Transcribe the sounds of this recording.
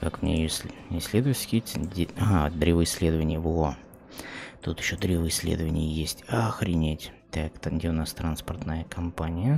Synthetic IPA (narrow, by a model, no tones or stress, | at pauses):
kakmʲnʲḛjosʲɪsʲlʲed̪ʊvəsʲkʲitʲdʲad̪ɾʲevɨɪsʲlʲed̪əvənʲɪjəvo | t̪ut̪jɪ̥ɕːod̪ɾʲevɨɪsʲlʲḛd̪əvənʲɪ̰jəjesʲtʲaxɾʲɪnʲetʲt̪akt̪dʲenast̪ɾanspərt̪nəjəkɐmpanʲɪjə